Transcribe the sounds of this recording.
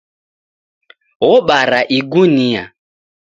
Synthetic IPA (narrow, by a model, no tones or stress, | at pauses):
ɣɔɓaɾaʔiɡunia̰